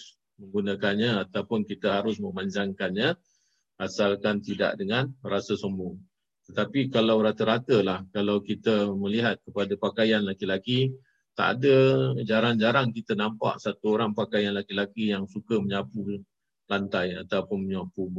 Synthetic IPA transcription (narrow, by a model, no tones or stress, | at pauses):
məŋɡunəkanɲaat̪awpʊnkit̪əɦaɾʊsmə̃maɲd͡ʒaŋkanɲa | ʔasalkant̪ida̰ʔdəŋanrasəsəmbʊŋ | t̪ət̪apikalawɾat̪əɾat̪əlahkalawkit̪əməliɦat̪̚kəpadapakajanlakilaki | t̪a̰ʔa̰dəd͡ʒaɾaŋd͡ʒaɾaŋkit̪ənampa̰ʔsat̪uoɾaŋpakajanlakilakijaŋsukəməɲapu | lant̪aja̰t̪awpʊnməɲapub